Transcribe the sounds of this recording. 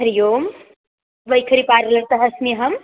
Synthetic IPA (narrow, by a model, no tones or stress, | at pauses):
ɦɐɾijoːm | ʋəjkʰəɾipaɾlɐɾt̪ɐɦɐsmiɦɐm